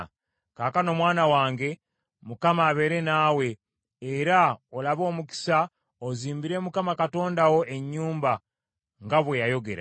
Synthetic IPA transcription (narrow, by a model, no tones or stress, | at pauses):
kaːkano̞mwaːnawaːŋɡe̞ | mukamaːβe̞ɾe̞naːwe̞ː | ɾaolaβo̞ːmuki̥sa | oziːmbiɾe̞ːmukamakato̞ːndawo̞e̞ɲːuːmba | ŋɡaβwejajo̞ɡe̞̰ɾa̰